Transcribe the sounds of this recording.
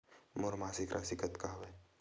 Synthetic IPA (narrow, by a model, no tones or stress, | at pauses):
moɾmaːsɪkɾʔa̰sɪkət̪kaːʋe